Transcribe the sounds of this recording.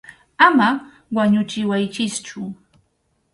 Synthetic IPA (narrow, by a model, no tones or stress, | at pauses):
ama | waɲʊt͡ʃɪwajt͡ʃɪst͡ʃʊ